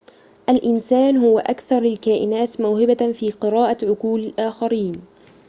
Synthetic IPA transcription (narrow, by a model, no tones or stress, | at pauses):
ʔalʔɪnsaːnhʊwaʔakθɑɾˤɪlkaːʔɪnaːt̪mʊwhɪbafiːqɨɾɑːʔaʕʊquːlɪlʔaːxaɾiːn